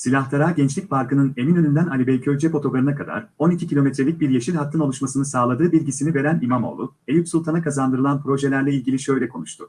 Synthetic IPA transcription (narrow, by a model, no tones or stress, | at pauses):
silʲaht̪aɾaːɟɛnt͡ʃlʲicfaɾkɯnɯne̞minø̞nynd̪ænalʲibɛjcʰølʲd͡ʒɛpo̞t̪ʰo̞ɡɾaɾɯnakʰad̪a̰ɾo̞nicʰicʰilʲo̞met̪ɾelʲic̚biɾjeʃilʲhat̪ʰːɯnolˠuʃmasɯnɯsaːlˠad̪ɯːbilʲɟisinive̞ɾænimamo̰lˠu | ejʲypʲsulˠt̪ʰanakazand̪ɯɾɯlˠanpɾo̞ʒe̞lʲæɾlʲɛilʲɟilʲiʃø̞jlʲɛkʰo̞̰nuʃt̪ʰʊ